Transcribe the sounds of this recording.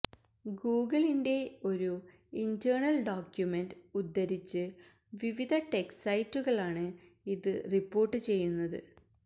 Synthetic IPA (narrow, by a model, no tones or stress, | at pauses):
ɡuːɡɐɭinde̞o̞ɾu | indɐːɳɐlɖoːkjume̞ndud̪ːɐɾit͡ɕːɨ | ʋiʋid̪ʱɐʈeksɐjtːuɣɐɭaːɳɨ | iðɨripːo̞ːrʈːɨt͡ɕe̞jːunːɐðɨ̰